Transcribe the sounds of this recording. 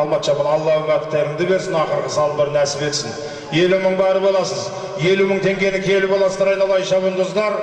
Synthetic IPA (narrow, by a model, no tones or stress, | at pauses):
ɑlˠmɑt̪ʃɑbənɑlˠːɑəɴɑt̪ɪp̚t̪ʰæɾɪŋd̪ɪbe̞ɾsɪnɑqəɾqəsɑlˠəbɪɾənæsɪbe̞t̪sɪn | je̞luməɴbæɾəbo̞lˠɑsəz | je̞luməɴt̪ʰe̞ŋkʲe̞nɪkʲʰe̞lɪpbolˠɑsd̪ɑɾɑjnɑlˠɑjʃɑbənd̪ozd̪ɑɾ